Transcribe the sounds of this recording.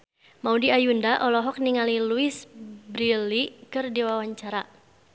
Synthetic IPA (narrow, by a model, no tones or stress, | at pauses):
maudiajundaʔɔlɔɦɔk̚niŋaliluɪsbɾilikɨrdiwawaɲt͡ʃaɾa